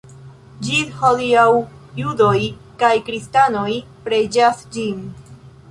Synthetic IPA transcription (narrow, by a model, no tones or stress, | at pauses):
d͡ʒiholiawjudo̞jkajkɾistano̞j | pɾed͡ʒasd͡ʒin